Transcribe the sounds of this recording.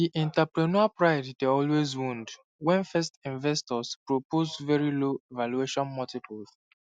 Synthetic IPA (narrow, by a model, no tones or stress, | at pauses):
diʔɛ̃ntɛpɹɛnɔapɹaɪddeɔlwezwũnd | wɛ̃nfɛstĩnvɛstɔspɹopozvɛɹiloevalueʃɔ̃nmɔtikuθ